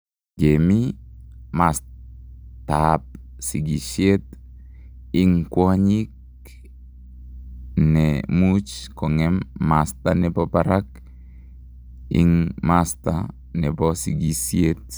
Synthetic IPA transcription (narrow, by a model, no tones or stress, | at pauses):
ɡemi | mas | tap̚ | siɡisiet̪ | iŋkwoɲik̚ | nɛmut͡ʃkɔŋɛmːast̪anɛpɔpaɾak | ḭŋmasta̰ | nɛbɔsiɡisiet̪̚